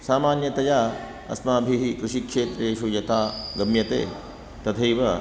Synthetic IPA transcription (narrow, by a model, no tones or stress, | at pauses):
saːmaːnjɐt̪ɐjaː | ɐ̰smaːbʱiɦikɾɪʃikʂeːt̪ɾeːʃujɐt̪aːɡɐmjɐt̪ḛː | t̪ɐt̪ʰɐjʋɐ